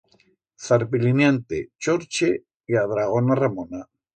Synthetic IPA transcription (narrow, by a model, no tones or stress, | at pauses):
θaɾpilinjant̪ḛt͡ʃoɾt͡ʃe | iað̞ɾaɣ̞onaramona